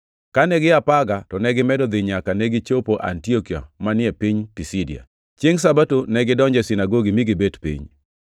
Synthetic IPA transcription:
kanɛɡɪapaɡatɔnɛɡɪmɛdɔd̪ɪɲakanɛɡit͡ʃopoʔa̰ntiokia̰manɪɛpiɲpisidia̰ | t͡ʃjeŋs̬abatonɛɡɪdɔɲd͡ʒɛsinaɡoɡimiɡɪbetpḭɲ

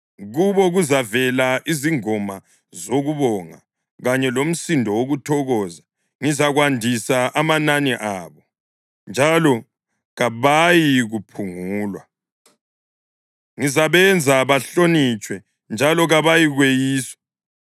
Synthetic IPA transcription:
ɣuβɔɣuzavɛlaʔiziŋɔma | zoɣuβɔŋa̰ | ɣaɲɛlom̩sindʱɔwoɣutʰɔɣɔːza | ŋizaɣwandʱisaʔamananiʔaːβɔ | nd͡ʒʱalɔ | ɣaβajiɣupʰuŋuːlwa | ŋizaβɛnd͡zʱaβaɬonit͡ʃʼwɛ | nd͡ʒʱalɔɣaβajiɣwejiːswḁ

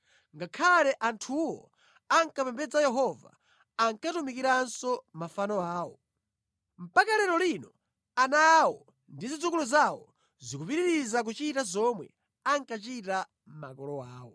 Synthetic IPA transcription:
ŋɡakʰalɛʔantʰuwɔ̰ | aŋkapɛmbɛd͡zajɛɦɔva̰ | aŋkatumikiɾansɔmafanɔaːwɔ̰ | m̩pakalɛɾɔlinɔ | anawɔ | ndizid͡zukuluzawɔ | zikupiɾiɾizak̬ut͡ʃitazɔmwɛ̰ | aŋkat͡ʃita | ma̰kɔlɔwaːwɔ̰

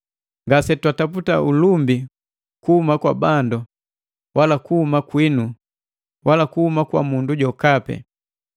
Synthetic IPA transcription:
ŋɡasɛtwataputaulumbi | kuhumakwabandu | wʔalakuhumakwinu | walakuhumakwa̰munduɟɔkapɛ̰

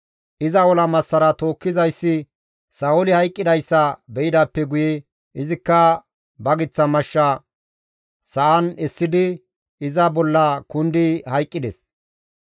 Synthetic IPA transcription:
ʔɪzɐwɔlɐmɐsːɐɾɐt̪o̞ːkːɪzɐjsːɪ | sɐʊlɪhɐjkʼːɪd̪ɐjsːɐbɛʔɪd̪ɐpːɛɡʊjɛ | ʔɪzɪkːɐ | bɐɡɪt͡sːɐmɐʃːɐ | sɐʔɐnɛsːɪd̪ɪ | ɪzɐbɔlːɐkʊnd̪ɪhɐjkʼːɪd̪ɛs

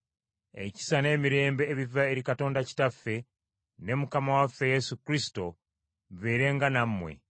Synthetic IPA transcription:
e̞̰ci̥sane̞ːmiɾe̞ːmbe̞ːβivae̞ɾikato̞ːndaci̥tafːe̞ | ne̞mukamawafːe̞je̞sukɾisi̥to̞ | βeːɾe̞ŋɡanamːwe̞̰

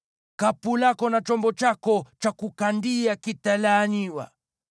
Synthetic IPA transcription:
kapulakɔnat͡ʃɔmbɔt͡ʃakɔt͡ʃakukandiakitalaːɲiwa̰

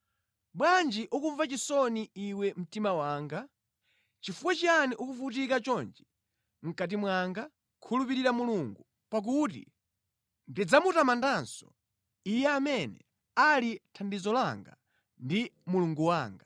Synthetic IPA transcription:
ɓwand͡ʒiʔukuɱvat͡ʃisɔniiwɛm̩timawaːŋɡa | t͡ʃifuwat͡ʃianiʔukufutikat͡ʃɔnd͡ʒi | ŋ̩kat̬imwaŋɡa | kʰulupiɾiɾamuluŋɡu | pak̬utḭ | ndid͡zamutamandansɔ̥̰ | ijɛamɛnɛ̰ | alitʰandizɔlaŋɡa̰ | ndimuluŋɡuwaːŋɡa

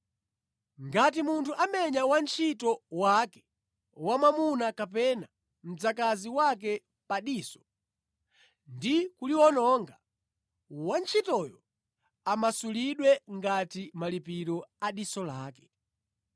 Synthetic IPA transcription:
ŋɡat̬imuntʰuʔamɛɲawant͡ʃʰitɔwakɛ̥ | wamamunakapɛna | m̩d͡zakaziwak̬ɛ | paɗiːsɔ̥ | ndikuliwɔnɔŋɡa | want͡ʃʰitɔjɔ | amasuliɗwɛŋɡatimalipiɾɔaɗisɔlaːkɛ̥

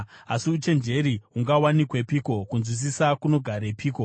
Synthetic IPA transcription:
asiut͡ʃe̞nd͡ʒe̞ɾiuŋɡawanikwe̞piːko̞kunzwis̬isakuno̞ɡʱaɾepʰiːko̞

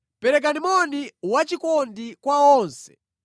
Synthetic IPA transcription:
pɛɾɛk̬animɔniwat͡ʃikɔndikwaɔːnsɛ̥̰

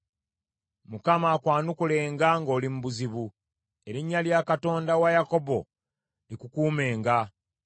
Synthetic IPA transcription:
mukamaːkwaːnukule̞ːŋɡaŋɡo̞ːlimubuziβu | e̞ɾiɲːaljakato̞ːndawajako̞bo̞ | likukuːme̞ːŋɡa

